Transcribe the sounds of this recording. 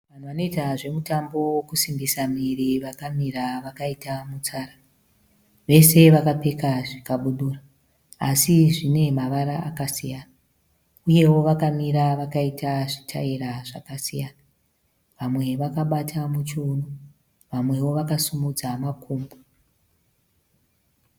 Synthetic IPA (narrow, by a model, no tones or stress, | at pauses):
ʋan̤uʋanoitaʐe̞mutambo̞wokusimbisamiriʋakamiraʋakaitamut͡saːra | ʋe̞se̞ʋakape̞kaʐikaɓuɗuːraː | siʐine̞maʋaɾaakasijana | uje̞wo̞ʋakamiɾaʋakaitaʐitʰa̰iɾaʐakasijana | ʋamwe̞ʋakaɓatʰamut͡ʃoːno | ʋamwe̞wo̞ʋakasumud͡zamakʰuːmbo